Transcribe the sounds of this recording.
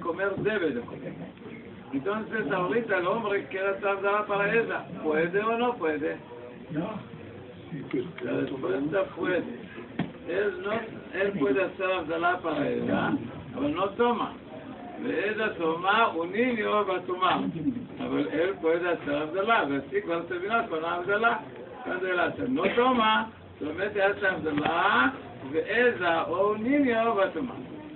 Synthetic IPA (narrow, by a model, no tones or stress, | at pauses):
komeɾd̪eβeðekomeɾ | ẽnt̪õnsesaoɾit̪alõmbɾekekeɾaseaβzalapaɾaezapweðeonõpweðe | laðespwest̪apwed̪e | elnõ | elpweðeaseɾaβzalapaɾaḛza | aβelnõt̪oma̰ | vḛezasomauniniovatuma | a̰βalelpoezasalamzalavasikvansabinakanabzala | kandelasanotoma | soameteasamzala | veʔezaouniniovatuma̰